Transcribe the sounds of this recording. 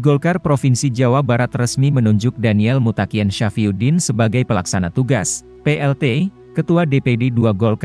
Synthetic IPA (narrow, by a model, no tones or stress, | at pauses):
ɡɔlkarpɾofinsid͡ʒawabaɾat̪rəsmimənuɲd͡ʒʊk̚daniɛlmut̪akianʃafiudɪnsəbaɡajpəlaksanat̪uɡas | peʔɛlt̪e | kət̪uadepededuaɡɔlka